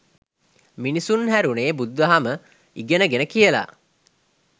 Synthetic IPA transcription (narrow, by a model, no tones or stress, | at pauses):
minisunhæɾuneːbud̪ʋɐɦamə | iɡenəɡenəkijəla̰